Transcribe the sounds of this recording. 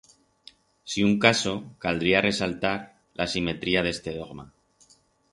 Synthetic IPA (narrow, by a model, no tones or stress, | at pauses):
siuŋkaso̞kald̪ɾiare̞salt̪aɾ | lʔasime̞t̪ɾiað̞e̞st̪e̞ð̞o̞ɣma